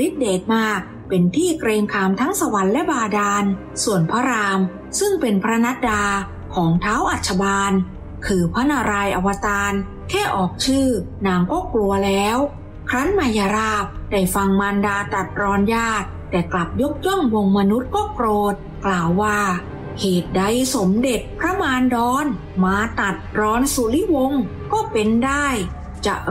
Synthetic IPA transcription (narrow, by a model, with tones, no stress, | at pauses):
li˦˥t̪̚deː˨˩t̪̚maː˥˩k̚ | pe˧nt̪ʰiː˥˩kɾeː˧ŋkʰaː˧mt̪ʰa˦˥ŋsa˧wa˨˦nlɛ˦˥baː˧daː˧n | su˨˩ənpʰa˦˥ɾaː˧m | sɯ˥˩ŋpe˧npʰɾa˦˥na˦˥t̪̚daː˧ | kʰɔː˩˦ŋt̪ʰaː˦˥wʔa˨˩t̪̚t͡ɕʰa˧baː˧n | kʰɯː˧pʰa˦˥na˧ɾaː˧jʔa˧wa˧t̪aː˧n | kʰɛː˥˩ʔɔː˨˩k̚t͡ɕʰɯː˥˩naː˧˩ŋkɔː˥˩klu˧ɐlɛː˦˥w | kʰɾa˦˥nmaː˧ja˧ɾaː˥˩p̚da˧˩jfa˧ŋmaː˧ndaː˧t̪a˨˩t̪̚ɾɔː˧˥njaː˥˩t̪̚ːɛː˨˩kla˨˩p̚jo˦˥k̚jɔ˥˩ŋwo˧ŋma˧nu˦˥t̪̚kɔː˥˩kɾoː˨˩t̪̚ | klaː˨˩wːaː˥˩ | kʰeː˨˩t̪̚da˧˥jso˨˩˦mde˨˩t̪̚pʰɾa˦˥maː˧ndɔː˧n | maː˧t̪a˨˩t̪̚ɾɔː˧˥nsu˨˦li˦˥wo˧ŋ | kɔː˥˩pe˧ndaː˥˩j | t͡ɕa˨˩ʔ